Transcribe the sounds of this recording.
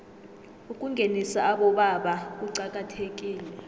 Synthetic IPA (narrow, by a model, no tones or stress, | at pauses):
ukʼuŋɡʱenisaːɓɔɓaɓak̬uǀak̬ʼatʰek̬ʼiːlɛ